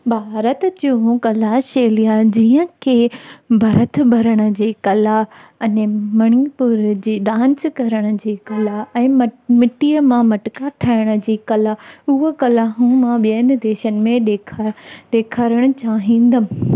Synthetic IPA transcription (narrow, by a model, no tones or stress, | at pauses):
bʱaːɾət̪t͡ɕoɦũkɐlaʃeːlijad͡ʑiːə̃kʰebʱɐɾət̪ʰbʱɐɾəɽ̃ə̆d͡ʑieːkɐlaɐnmɐɽ̃ipʊɾd͡ʑiːɗãːnskɐɾəɽ̃ə̆d͡ʑeːkɐlaɛ̃ːmɪʈijəmãmɐʈɪkaʈʰaːɪɽ̃ə̆d͡ʑiːkɐlaʊɦəkɐlaɦũːmãɓiən̆d̪eːʃənɪ̆mẽɗeːkʰɗeːkʰəɾəɽ̃ʊ̆t͡ɕaːɦĩːn̆d̪əm